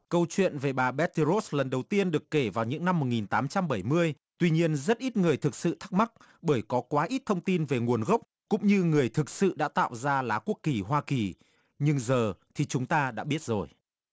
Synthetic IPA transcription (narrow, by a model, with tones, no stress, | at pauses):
kə˧wt͡ɕwḭ˧˨ənve˨˩ɓaː˨˩ɓɛ˦˥t̚t̪i˧zo˦˥slə˨˩nɗə˨˩wt̪i˧ənɗɨ˨˩əkːe˧˩vaː˨˩wɲɨ̰˧˥ŋna˧mːo˨˩t̚ŋi˨˩nt̪aː˨˦mt͡ɕa˧mɓə˧˩jmɨ˧əj | t̪wi˧ɲi˧ənzə˦˥t̚ʔi˦˥t̚ŋɨ˨˩əjt̪ʰɨ˨˩k̚sɨ̰˧˨t̪ʰa˦˥k̚ma˦˥k̚ | ɓəː˧˩jkɔ˨˦kwaː˨˦ʔi˦˥t̚t̪ʰə˧wŋ͡mt̪i˧nve˨˩ŋu˨˩ənɣə˦˥wk͡p̚kʊ̰˧˥ŋ͡mɲɨ˧ŋɨ˨˩əjt̪ʰɨ˨˩k̚sɨ̰˧˨ɗa̰ː˧˥t̪a̰ː˧˨wzaː˧laː˨˦ku˦˥əkːi˨˩ɦwaː˧ki˨˩ | ɲɨ˧ŋzəː˨˩t̪ʰi˨˩t͡ɕʊ˨˦ŋ͡mt̪aː˧ɗa̰ː˧˥ɓi˦˥ət̚zo˨˩j